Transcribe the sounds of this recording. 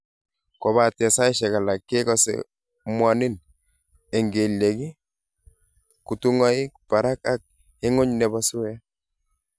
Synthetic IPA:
kɔ˨βa˨tɛ˨sa˦i˦ʃɛ˨ka˨la˨kːe˦kɔ˦sɛ̰ | mwa˨nɪ˦n | e˨ŋɡe˨le˨ki˦ | ku˨tu˦ŋa˦i˦k̚pa˨ɾa˦ka˦k̚ | e˦ŋʊ˦ɲnɛ˨ba˦sʊ˦wɛ˦

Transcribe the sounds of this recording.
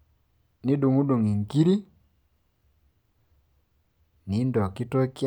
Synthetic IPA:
ni˦ɗu˨ŋu˦ɗu˨ŋi˨ŋki˦ɾi˦ | ni˨˦ndɔ˨ki˦tɔ˦kj

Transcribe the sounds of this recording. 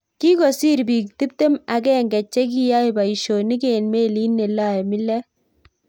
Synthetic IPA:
ki˦kɔ˨si˦ɾbiː˨k̚ti˦p̚te˦ma˨kɛ˦ŋɡɛ˨t͡ʃːɛ˦k̬i˦ja˦jba˨i˨ʃo˨ni˦ke˨nmeː˦li˦nːe˨la˦˨jmi˦lɛ˦

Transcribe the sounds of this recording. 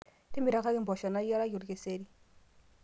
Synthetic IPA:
ti˦mi˨ɾa˨˦ka˦ɾi˦mbɔ˨ʃa˨na˦ja˦ɾa˦ju˨ɾke˨se˦ɾi˦

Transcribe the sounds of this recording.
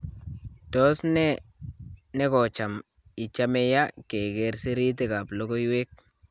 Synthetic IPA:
tɔ˦sne˦ | ne˦ko˨t͡ʃa˨m | i˨t͡ʃa˦me˦ja˦ke˨ɡe˨ɾsi˦ɾi˦t̬e˨ka˨plo˦ko˦jwe˦k̚

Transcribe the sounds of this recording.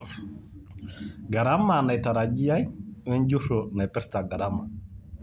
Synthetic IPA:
ɡa˨ɾa˦ma˨na˨jta˨ɾa˨d͡ʒi˦ja˦jwɛ˦nd͡ʒu˦so˨na˨jpɛ˦ɾta˨ɡa˨ɾa˦ma˨

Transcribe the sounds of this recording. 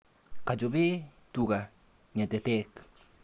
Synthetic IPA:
ka˨d͡ʒo˨βe˦ | tu˨ɣa˨ | ɲa˨t̪e˨tɛ˦k

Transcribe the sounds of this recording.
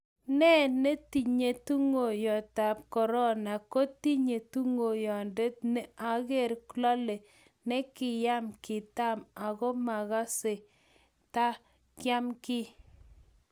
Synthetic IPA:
nɛ˦nɛ˦ti˨ɲe˨tu˦ŋo˨jɔ˨ta˨p̚kɔ˨ɾɔ˦na˨ko˦ti˦ɲe˨tu˦ŋo˨jɔ˨nde˦t̚nɛ˦a˦ɣe˦˨ɾklɔ˦le˨ | nɛ˦kɪ˨ja˦mkɪ˨ta˦ma˨kɔ˦ma˨ɣa˦se˨ | ta˦ | kja˦mkɪ˦

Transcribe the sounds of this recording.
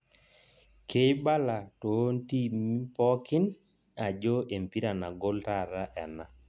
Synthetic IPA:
kʰe˨˦jba˦la˨to˨˦n˦ti˦mi˦pɔ˦kɪ˦n | a˨d͡ʒo˦ʔe˨mpi˦ɾa˨na˨ɡo˦lta˦˨ɾa˦ʔɛ˨na˦

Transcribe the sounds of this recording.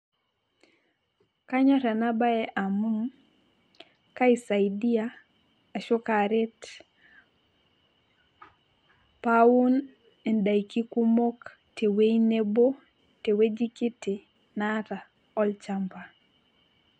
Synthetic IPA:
ka˦ɲa˦ta˨na˦ba˦ɛ˦ʔa˨mu˦ŋ | ka˦i˨sa˨i˨di˦aː˨ | ʃɔ˦kaɾɛ˦t | pa˦wu˦n | ɛ˨nda˨iki˦ku˦mo˦k | te˨we˦i˦ne˦bo˦ | te˨we˦d͡ʒi˦ki˦te˨ | na˦ta˨ | ɔ˦lt͡ʃa˦mpa˨

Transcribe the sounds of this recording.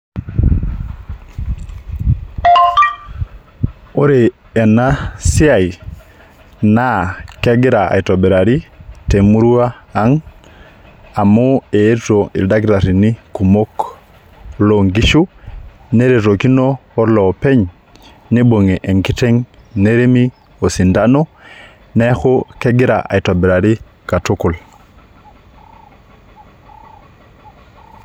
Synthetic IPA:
o˦ɾeː˨ | na˦si˦a˨j | na˦kɛ˦ɡi˦ɾa˨a̰˨i˨to˨be˨ɾa˨ɾi˦te˨mu˦ɾu˦aː˦ŋ | a˨mu˦e˨e˦to˨ḭ˨lda˦ɡiɾa˨ɾi˨ni˦ku˨mo˦k | lo˦ŋɡi˦ʃu˦ | ne˦ɾe˨ɾo˨ki˦no˦o˦ɾlo˨pe˦ɲ | ni˦bo˨ŋe˨ʔe˨ŋki˦te˦ŋ | ne˦ɾe˦mi˦ | o˨si˨nda˦no˦ | ne˦xo˦ke˦ɡi˦ɾa̰ʔa̰˨jto˨be˨ɾa˨ɾi˦ | ka˨tu˦ku˨l

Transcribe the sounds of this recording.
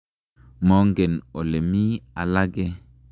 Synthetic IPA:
mɔ˦ŋɡɛ˨no˨le˨mi˦a˨la˦ɡɛ˦

